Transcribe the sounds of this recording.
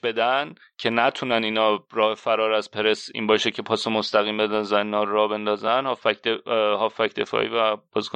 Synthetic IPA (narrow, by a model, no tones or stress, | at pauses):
be̞d̪æn | cʰe̞næt̪ʰunæniːnɒːɾɒːhefæɾɒːɾæz̥pʰe̞ɾesḭːnbɒːʃecʰe̞pʰɒːsomost̪æɣiːmbed̪ænzæniːnɒːɾɒːbe̞nd̪ɒːzænhɒfæcd̪eɦɒːfæcd̪e̞fɒ̰ːʔḭːvæb̥ɒzkʰo